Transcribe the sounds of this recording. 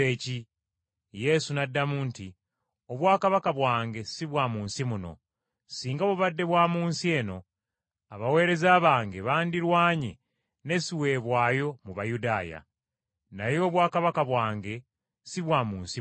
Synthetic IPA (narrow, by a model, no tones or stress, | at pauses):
eːci | je̞sunadːamuːnti | oβwaːkaβakaβwaːŋɡe̞siβwaːmuːnsimuno̞̰ | siːŋɡaβuβadːe̞βwaːmuːnsie̞ːno̞ | aβawe̞ːɾe̞zaːβaːŋɡe̞βaːndiɾwaːɲe | ne̞siwe̞ːβwaːjo̞muβajudaːja̰ | najo̞ːβwaːkaβakaβwaːŋɡe̞ | siβwaːmuːnsi